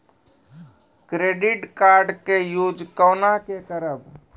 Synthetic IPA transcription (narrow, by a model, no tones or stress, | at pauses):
kɾeːɖɪʈkaːɾɖkejuːd͡ʒkəːnakekəɾəb